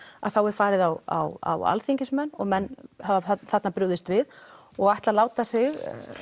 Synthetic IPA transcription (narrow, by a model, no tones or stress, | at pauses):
a̰ðθawɛɾ̥faːɾɪðawa̰wa̰wa̰lθiɲcɪsmɛnːɔɣmɛnːhavaθat̪napɾʏwðɪst̪vɪð | ɔɣajht̪lalaːwt̪asɪɣ